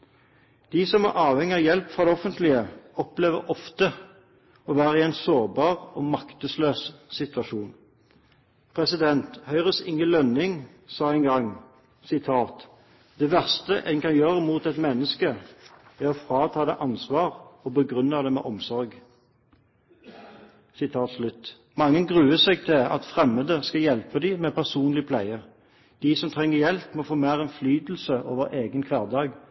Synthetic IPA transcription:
d̪̥isɔmæ̰ʁʔɑːʋhɛŋːɪɑʋjɛlpfʁɑd̪ɛɔfənt̪lɪəɔpleːʋə̰ʁɔft̪ə | ɔʋæːʁəɪɛɪnsoːʁbɑːʁɔːmɑkt̪əsløːssɪt̪ʋɑʃuːn | pʰʁɛsɪd̪ɛnt̪hœʏʁəsɪ̰ŋːəlœnːɪŋ | sɑːɛɪŋɡɑŋ | sɪt̪ʰɑːt̪ | d̪̥ɛːʋæʁst̪əʔɛ̰ŋkɑnjøːʁəmuːt̪ɛt̪mɛnːəskəæʁɔfʁɑːt̪ʰɑːd̪ɛʔɑnsʋɑːʁɔbəɡʁʉnːəd̪ɛmɛ̰ːʔɔmsɔʁɡ | sɪt̪ʰɑːt̪slʉt̪ | mɑŋːənɡʁʉːəsɛɡt̪ʰɪɑ̰t̪fʁɛməd̪əskɑjɛlpəd̪ɪmɛpʰæʁsuːnlɪəpʰlæɪəʁ | d̪̥ɪsɔmt̪ʰʁɛŋːəjɛlpmɔfoːmæːʁɛnflyːd̪l̩səʔo̰ːʋəʁʔeːɡənkʰʋæːʁd̪ɑːɡ

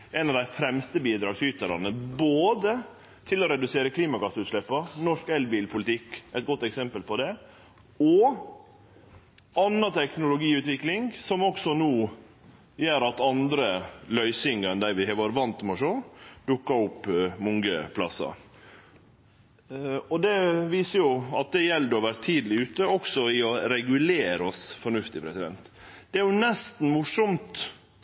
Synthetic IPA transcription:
ɛɪnɑʋd̪æɪfɾɛmst̪əbiːd̪ɾɑːɡsʏt̪əɾɑ̰nəboːd̪ə | t̪ʰɪlɔɾɛd̪ʉseːɾəkʰliːmɑɡɑsəʉːt̪ʂɭɛpːənɔʂkɛlbiːlpʰʊlɪt̪ʰɪkːɛɪt̪̚ɡɔt̪ːɛksɛmpəlpʰɔd̪ɛ | ɔ | ɑnːɑt̪ʰɛknʊlʊɡiːʉːt̪ʋɪklɪŋsɔmɔksɔnuː | jeːɾɑt̪ɑnd̪ɾəlœʏsɪŋəɛnd̪æɪʋɪhɑʋɑːɾəʋɑnt̪mɔʂoːd̪̥ʉkːɑʊpːmʊŋɡəpʰlɑ̰sɑ̰ | ɔd̪ɛʋiːsəjʊɑt̪̚d̪ɛjɛld̪ɔʋæɾt̪ʰiːd̪lɪʉːt̪əɔksɔɪɔɾɛɡʉleːɾɔsfɔɳʉft̪ɪpʰɾɛsɪd̪ɛ̰nt̪d̪̥ɛæɾjʊnɛst̪n̩mʊʂɔmt̪

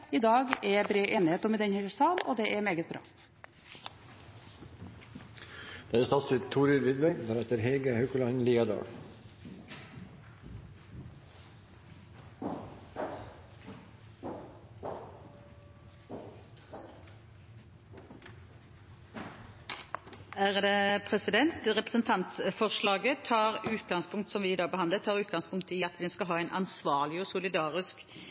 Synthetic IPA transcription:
id̪ɑːɡɛbɾeːʔeːnɪheːt̪ɔmɛd̪ɛnhɛlsɑːlo̰ːd̪ɛːʔɛmeːɡət̪̚bɾɑ̰ː | d̪̥ɑːɛst̪ɑsɪt̪ʰːuːɾɪɾʋɪd̪bɛd̪æːɾɛt̪əɾɦeːɡəhœʉkəlɑnliːɑd̪ɑ̰ːɽ | æʁd̪eːpʰʁɛsɪd̪ɛnt̪ʁɛpʁəsnt̪ʰɑnt̪fɔʁʃɭɑːɡət̪ʰɑːʁʉːt̪̚ɡɑŋspʰʊŋkt̪sɔmʋɪːɪd̪ɑːɡbəhɑnət̪ʰɑːʁʉːt̪̚ɡɑŋspʊŋkt̪ɪɑt̪ʋɪskɑlɦɑːɛɪnʔɑ̰nsʋɑːʁlɪɔsʊlɪd̪ɑːʁɪsk

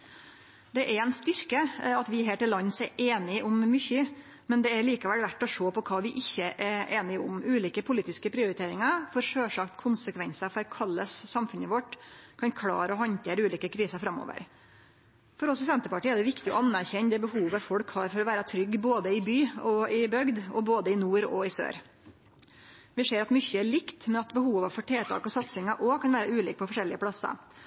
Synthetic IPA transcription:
d̪ɛʔɛɾɛɪnst̪ʏɾkəɑt̪ʋɪɦeːʈɪlːɑnːsɛɾʔeːnɪʔʊmːʏçə | mɛnd̪ɛæɾɭiːkɑʋɛlʋæʈːɔʂoːpɔkʰɑːʋɪʔɪçːəʔɛɾeːnɪʊmʉːliːkəpʰʊliːt̪ɪskəpʰɾɪʊɾɪt̪ʰeːɾɪŋɑɾfɔɾʂøːʂɑkt̪kʰʊnsəkʰʋɛnsəɾfɔɾkʰɑlːəssɑmfʉnəʋɔʈːkʰɑnkʰɽɑ̰ːɾəɔɦɑnt̪ʰeːɾəʉːliːkəkʰɾiːsəɾfɾɑmo̰ːʋə̰ɾ | fɔɾɔsɪsɛnt̪əpɑʈiːəæɖ̪ɛʋɪkt̪ɪɔ̰ɑnːæɾçɛɲːd̪ɛːbəhuːʋəfɔɽkhɑɾfɔɾɔʋæːɾɑt̪ʰɾʏɡːboːd̪əɪbyːɔɪbœɡd̪ɔboːd̪əɪnuːɾɔɪsø̰ːɾ | ʋɪseːɾɑt̪mʏçːəæɭɪkt̪mɛɑt̪bəhuːʋəfɔʈʰeːt̪ʰɑ̰ːkɔsɑt̪sɪŋɑʔɔkʰɑnʋæːɾɑʉːliːk̚pʰɔfɔʂɛlːɪəpʰɽɑsə̰

